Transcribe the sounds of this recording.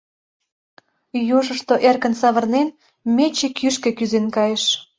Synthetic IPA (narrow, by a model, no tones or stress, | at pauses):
juʒəʃt̪oʔerkə̆nsɑβərnen | met͡ɕekʰyʃkĕkyzenkɑjeʃ